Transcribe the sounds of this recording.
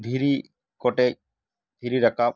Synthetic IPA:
b̪ʱiɾi | kɔʈɛc̚ | b̪ʱiɾiɾakaɓ̚

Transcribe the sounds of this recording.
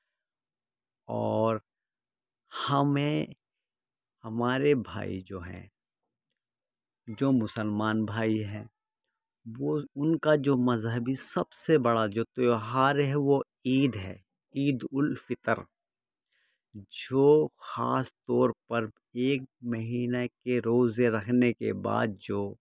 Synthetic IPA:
ɔːɾ | hɐmẽ | hɐmaːɾebʱa̰ːḭd͡ʒoːɦɛ̰̃ | d͡ʒoːmʊsəlmaːnbʱaːiɦɛ̃ː | ʋoʊnkad͡ʒoːmɐzɦəbisɐbsebɐɽad͡ʒoːt̪eɦaːɾɦɛʋo | iːd̪ɦɛ̰ː | iːd̪ʊlfɪt̪ə̰ɾ | d͡ʒoːxa̰ːst̪ɔːɾpɐɾ | eːk̚mɐɦiːnakeɾoːzeɾɐkʰnekḛba̰ːd̪̚d͡ʒoː

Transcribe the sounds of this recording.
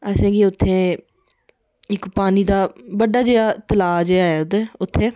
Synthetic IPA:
ɛːsẽːɡiːʊt̪ʰːẽː | ɪkpaːniːd̪aːbəɖaːd͡ʒeːaːt̪əlaːd͡ʒeːaːeːʊd̪eːʊt̪ʰːẽː

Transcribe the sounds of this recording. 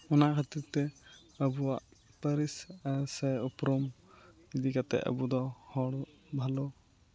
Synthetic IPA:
ɔnaʔkʰat̪iɾt̪ɛ | əbuwaʔ | pəɾisasɛɔpɾɔm | id̪ikat̪ɛ̰ə̰bud̪ɔhɔɽ | bʱalɔ

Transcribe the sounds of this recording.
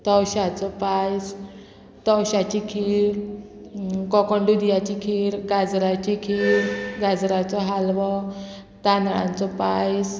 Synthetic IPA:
t̪ɔwɕat͡sɔpajs | t̪ɔwɕat͡ɕikʰiɾ | kɔkɔɳɖud̪ijat͡ɕikʰiːɾɡad͡zɾat͡ɕikʰiːɾɡad͡zɾat͡sɔɦalʋɔ | t̪anɭã̰nt͡sɔpajs

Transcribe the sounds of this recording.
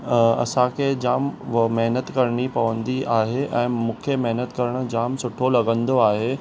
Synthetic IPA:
ɐ̰sãkʰed͡ʑaːmmɐɦnət̪kɐɾɽ̃ipɐʋə̃nd̪iʔaːɦeʔɛ̃ːmũːkʰemɛɦnət̪kɐɾəɽ̃ʊ̆d͡ʑaːmsʊʈʰolɐɡə̃nd̪oaːɦe

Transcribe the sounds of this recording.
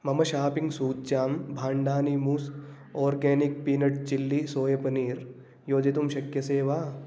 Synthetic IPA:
mɐmɐʃaːpɪ̃ŋɡsuːt̪̚t͡ʃaːmbʱaːɳɖaːnimuːs | ɔːɾɡeːnɪk̚piːnɐʈ̚t͡ʃɪlːisoːjɐpɐniːɾ | joːd͡ʒet̪umʃɐkjɐseːʋaː

